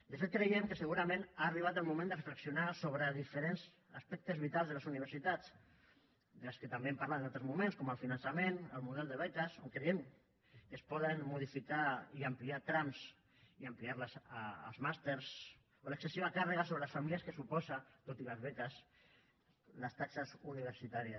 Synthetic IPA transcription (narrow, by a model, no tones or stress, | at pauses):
d̪əfet̪̚kɾejemkəsəɣuɾamẽnaːriβat̪əlˠmumẽnd̪ərəfləksiunasoβɾəðifəɾenz | aspɛk̚t̪əzβit̪alzðələsuniβəɾsit̪at͡s | d̪əlskət̪ambeempaɾlat̪ənalˠt̪ɾəzmumẽnskɔməlˠfinansamenəlˠmuðɛlˠd̪əβɛt̪əsoŋkɾeem | kəspɔðənmuð̞ifikaiəmpliat̪ɾams | iəmpliaɾləsːlˠzmast̪eɾs | oləksəsiβakarəɣasoβələsfamiliəskəsupɔzat̪ot̪iləzβɛt̪əs | ləst̪aksəsuniβ̞əɾsit̪aɾiəs